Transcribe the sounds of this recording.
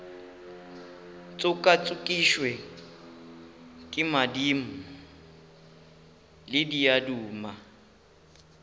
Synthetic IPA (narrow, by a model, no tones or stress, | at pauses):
t͡sʼʊkʼat͡sʼʊkʼiʃwɛ | kʼɪmadim̩ | lɪdiaduːma